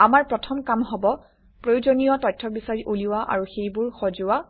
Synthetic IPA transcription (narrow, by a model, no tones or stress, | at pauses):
amaɹpɹɔtʰɔmkamɦɔbɔ | pɹojuzonijɔtɔjtʰːɔbisaɹiʔuliwaʔa̰ɹuxejbʊɹxɔzʊwa